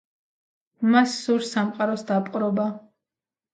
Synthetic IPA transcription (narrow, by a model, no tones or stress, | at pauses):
masːuɾsamqʼaɾɔsd̪apʼqʼɾɔba